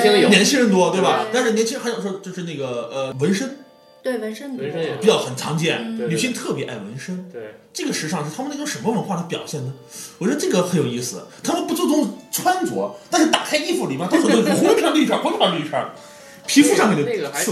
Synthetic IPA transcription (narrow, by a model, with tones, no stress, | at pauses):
njɛ˧˥nt͡ɕʰi˥ɻə˧˥nt̪wɔ˥t̪we˥˩ɪbɐ˩t̪a˥˧nʂɻ̩˥˩jɛ˧˥nt͡ɕʰɻxjo˨˩ʂwɔ˥t͡ɕjo˥˧ʊʂɻ̩˥˧na˥˩ɡə˩ə˧wə˧˥nʂə˥ŋ | t̪we˥˩wə˧˥nə˥n˧pi˨˩t͡ɕjɑ˥˩ʊxə˨˩nt͡sʰɑ˧˥ŋt͡ɕjɛ˥˩nly˨˩ɕi˧˥ŋt̪ʰɤ˥˩pjɛ˧˥ʔa˥˩ɪwə̰˧˥nʂə˥ŋ˥ | ʈ͡ʂɤ˥˩ɡə˩ʂɻ̩˧˥ʂɑ˥˧ŋʂ̩˥˩t̪ʰa˥mə˨n˥˧˥o˥˩ʂə˧˥nmə˧wə˧˥nxwa˥˩˧pjɑ˨˩ʊɕjɛ˥˩nə˩ | wɔ˨˩t͡ɕɥɛ˧˥d̪ə˧ʈ͡ʂɤ˥˩ɡə˩xə˧˥njo˨˩ʊi˥˩sɹ̩˩t̪ʰa˥mə˨npu˧˥˩t͡so˥˧˩t͡sʊ˥ŋt͡sʰwa˥nt͡swɔ̰˧˥t̪a˥˧nʂɻ̩˥˩t̪a˨˩kʰa˥ɪi˥˧fu˧˥˩li˨˩ma˧˥˩t̪o˥ʂo˥˩o˥ʊ˥tʰwa˧˥li˥˧ʈ͡ʂʰa˥˩xwɔ˥t̪ʰwa˧˥nli˥˧˩ʈ͡ʂʰa̰˥˩ | pʰi˧˥fu˥˧ʂɑ˥˧ŋkɛ˥˩˧